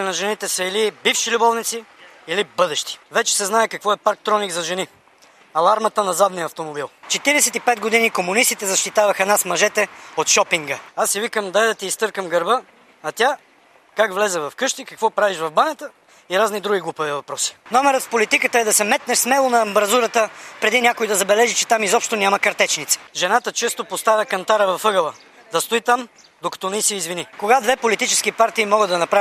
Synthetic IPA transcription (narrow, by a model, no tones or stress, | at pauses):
inɐʒɛnit̪ɛsəilibifʃilʲubɔvnit̪si | ilibɤd̪ɛʃt̪i̥vɛt͡ʃɛ̥sɛznaɛkɐkvɔɛpaɾk̚t̪ɾɔniɡzɐʒɛni | ɐlˠaɾmɐt̪ənɐzad̪nijəɐft̪omobilˠt͡ʃɛt̪iɾɛsɛt̪ipɛd̪̚ɡod̪inikomʊnist̪it̪ɛzɐʃt̪it̪avɐxɐnasmɐʒɛt̪ɛot̪ʃɔpiŋɡəasːivikəmd̪ɐɛd̪ɐt̪iːst̪ɤɾkəmɡɐɾbə | ɐt̪ʲa | kakvlɛzɛvɐfkɤʃt̪ikɐkvɔpɾaviʃvɐvbanʲət̪ə | iɾaznid̪ɾuɡ̟iɡlˠupəvɛvɐpɾɔsi̥nɔmɛɾət̪fpolit̪ikət̪əɛd̪ɐsɛmɛt̪̚nɛsmɛlˠonɐːmbɾɐzuɾət̪əpɾɛd̪inʲjakoid̪ɐzɐbɛlɛʒit͡ʃɛ̥t̪amizɔpʃt̪onʲamɐkɐɾt̪ɛt͡ʃnit̪sɛ̥ʒɛnat̪ət͡ʃɛst̪opost̪avʲɐkɐnt̪aɾəvɐfɤɡəlˠə | d̪ɐst̪oit̪am | d̪okɐ̥t̪ɔnɛisɛizvinikoɡad̪vɛpolit̪it͡ʃɛ̥skipaɾt̪iːmɔɡəd̪ɐnɐpɾa